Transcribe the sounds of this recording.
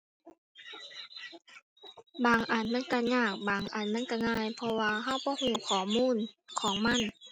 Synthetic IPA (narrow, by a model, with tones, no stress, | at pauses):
baː˨˩ŋʔa˨˩nma˧˥˨nka˧˩ɲaː˧˩k̚baː˨˩ŋʔa˨˩nma˧˥˨nka˧˩ŋaː˧˥˨jpʰɔ˧waː˧ɦa˧˥˨wbɔː˧˦huː˧˩kʰɔː˨˩˦muː˧˥˨nkʰɔː˨˦ŋma˧˥˨n